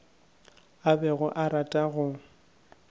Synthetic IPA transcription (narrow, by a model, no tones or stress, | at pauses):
abɛɣʊʔaɾatʼaɣʊ